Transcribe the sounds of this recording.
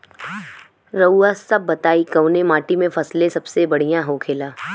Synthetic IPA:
ɾɐuasɐbːɐt̪aːikɐʊnẽmaːʈimẽfʰɐslẽsɐbsebɐɽ̤ijãɦoːkʰeːlaː

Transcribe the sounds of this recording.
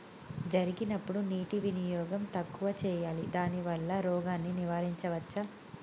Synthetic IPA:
d͡ʒɐɾiɡinɐpːuɽuniːʈiʋinijɔːɡɐmt̪ɐkːuʋɐt͡ʃɛːjaːlid̪aːniʋɐɭːɐɾɔːɡaːnːiniʋaːɾiɲt͡ʃɐʋɐt͡ʃːɐ

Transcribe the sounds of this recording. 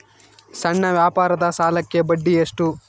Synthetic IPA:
sɐɳːɐʋjaːpaːɾɐd̪ɐsaːlɐkːe̞bɐɖːijɐʂʈu

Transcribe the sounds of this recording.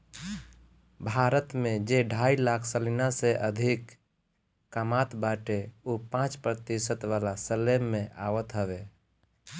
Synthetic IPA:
bʱaɾət̪mẽd͡ʒeɖʱailakʰsəlinaseʔəd̪ʱikː | əmat̪baʈeopãt͡ʃpɾət̪isət̪ʋalasəlemːẽʔa̰ʋət̪ɦəʋe

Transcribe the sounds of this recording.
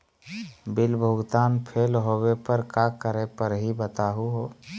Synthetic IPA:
bɪlbʱʊɡt̪aːnpʰeːlɦowepəɾkakəɾepəɾɦibət̪aɦuɦoː

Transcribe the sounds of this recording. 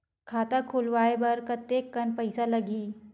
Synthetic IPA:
kʰat̪akʰulʋaebəɾkət̪ekːənpəjsaləɡiː

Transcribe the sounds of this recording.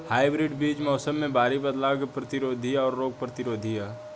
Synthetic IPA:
haːɪbɾɪɖbiːd͡ʒmɔːsəmːẽbaːɾibɐd̪laːɡpɾɐt̪ɪɾoːd̪ʱiaɔːɾːoːɡ̚pɾɐt̪ɪɾoːd̪ʱija

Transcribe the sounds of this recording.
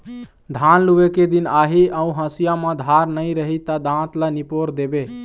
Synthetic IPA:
d̪ʱanluʋeked̪inaɦiə̃ũɦə̃sijamãd̪ʱaɾnəɪɾəɦit̪əd̪ãt̪lənipoɾd̪ebe

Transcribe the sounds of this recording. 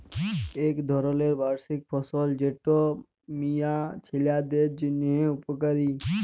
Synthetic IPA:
eːkd̪ʱɔɾoleːɾbaːɾsɪk̚pʰɔsoːld͡ʒeʈo | mijat͡ʃʰɪljad̪eːd͡ʒɪnẽʊpkəɾiː

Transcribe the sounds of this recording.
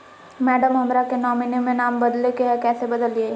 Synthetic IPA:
mɛːɖəmɦɐmɾakenɔːminemẽnaːmbɐd̪lekeɦɛkɛːsebɐd̪əleː

